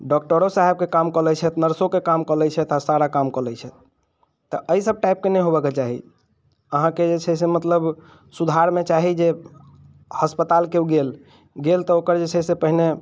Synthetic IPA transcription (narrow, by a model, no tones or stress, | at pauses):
ɖɔk̚ʈəɾosaɦeb̚kekamkɔlɛt͡ʃʰɛt̪nəɾsokekamkəlɛt͡ʃʰɛt̪asaɾakamkəlɛjt͡ʃʰɛt̪ | t̪ɔʔəisəb̚ʈaɪp̚kenəjɦobəket͡ʃaɦḭ | əɦãked͡ʒet͡ʃʰɛs̬emət̪ləb | sud̪ʱaɾmet͡ʃaɦid͡ʒe | həspət̪alkeuɡel | ɡelt̪ɔokəɾd͡ʒet͡ʃʰɛsepəɦine